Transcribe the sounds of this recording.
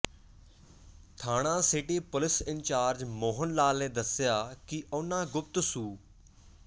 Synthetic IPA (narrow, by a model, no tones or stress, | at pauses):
t̪ʰaːɽ̃ãːsɪʈiːpʊlɪsɪnt͡ʃaːɾd͡ʒmoːɦənlaːlnẽːd̪əsɪjaːkɪʔʊnãːɡʊp̚t̪suː